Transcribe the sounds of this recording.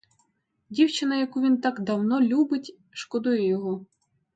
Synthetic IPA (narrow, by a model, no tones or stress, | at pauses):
dʲiwt͡ʃɪnɐjɐkuʋʲint̪ɑkd̪ɐwnɔlʲubɪtʲ | ʃkɔd̪ujɛjɔɦɔ